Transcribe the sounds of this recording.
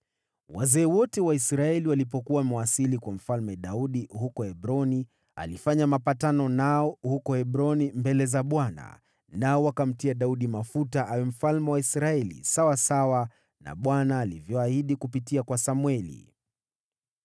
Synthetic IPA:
wa̰zɛːwɔtɛwaisɾaɛliwalipɔkuwamwasilikwam̩falmɛɗauɗihukɔhɛbɾɔni | a̰lifaɲamapatanɔnaɔhukɔhɛɓɾɔnimbɛlɛzaɓwana̰ | naɔwakam̩tiaɗauɗimafutaʔawɛm̩falmɛwaisɾaɛlḭsawasawa | na̰ɓwanaːlivjɔahiɗikupitiakwasamuwɛlḭ

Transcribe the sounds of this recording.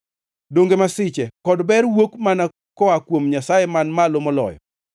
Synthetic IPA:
doŋɡemasɪt͡ʃɛkɔdbɛɾwokmana | kɔakwomɲasajemanmalomɔlɔ̰jɔ̰

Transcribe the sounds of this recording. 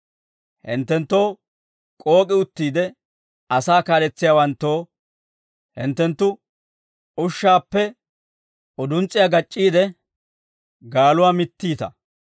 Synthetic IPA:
hɪ̰nt̪ːɛnt̪ːoː | kʼo̞ːkʼɪʊt̪ːiːd̪ɛ | ɐsaːkaːlɛt͡sːɪjaːwɐnt̪ːo̞ː | hɪ̰nt̪ːɛnt̪ːʊ | ʊʃːaːpːɛ | ɔd̪ʊnt͡sʼːɪjaːɡɐt͡ʃʼːiːd̪ɛ | ɡaːlʊwaːmɪt̪ːiːt̪ɐ̰

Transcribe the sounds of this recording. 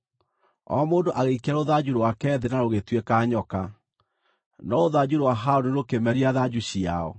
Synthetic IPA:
ɔ̰moːndoʔaɣeikaɾoðad͡ʑuɾwakɛːðenaɾoɣetwekaːɲɔka | nɔoðad͡ʑuɾwaɦaoneɾokemɛɾiaðad͡ʑuɕia̰ɔ̰

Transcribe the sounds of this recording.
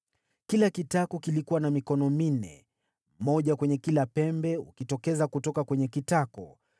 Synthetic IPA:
kilakitakɔkilikuwanamikɔnɔmin̩nɛ̰ | mɔʄakwɛɲɛkilapɛmbɛṵkitɔkɛzakutɔkakwɛɲɛkitakɔ

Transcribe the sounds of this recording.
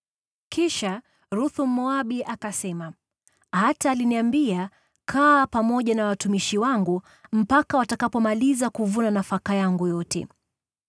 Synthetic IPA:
kʰiʃa | ɾuθum̩mɔaɓiʔakasɛma | hataːliniambia | kʰaːpamɔʄanawatumiʃiwaŋɡu | m̩pakawatakapɔmalizakuvunanafakajaŋɡujɔtʰɛ̰

